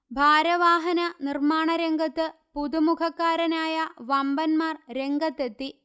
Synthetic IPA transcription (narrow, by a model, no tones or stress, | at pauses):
bʱaːɾɐʋaːɦɐnɐnirmaːɳɐɾeŋɡɐt̪ːɨpuðumukʰɐkːaːɾɐnaːjɐʋɐmbɐnmaːrɾe̞ŋɡɐt̪ːet̪ːi